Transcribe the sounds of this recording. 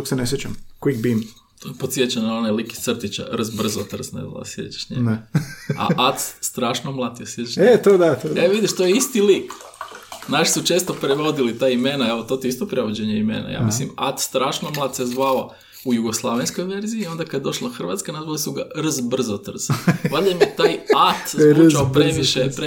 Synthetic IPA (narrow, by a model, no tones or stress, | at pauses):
oksenesjet͡ɕamkwik̚bim | opot̪sʲjet͡ɕanonaliki̥t̪sr̩t̪it͡ɕa̰ɾrzbr̩zot̪r̩znḛa̰l̰sjḛt͡ʃḁʃɲeɡ | a̰ʔat̪st̪ɾaːʃnomlˠat̪jesjet͡ʃḁʃet̪od̪at̪oeʋid̪iʃt̪ojeist̪ilik | znaʃi̥sut͡ʃest̪o̞pɾeʋo̞d̪ilit̪aimenaelot̪o̞t̪iist̪opɾeʋod͡ʑeɲeimḛna̰ja̰ːmislimat̪st̪ɾaːʃnomlˠaːt̪sezʋala | ujuɡoslˠaʋenskojʋe̞ɾziːo̞nd̪akad̪jed̪o̞ʃlˠaxr̩ʋat̪skanazʋalisuɡarzbr̩zot̪r̩z̥ʋalamjet̪ajat̪ut͡ʃaopɾeʋiʃepɾe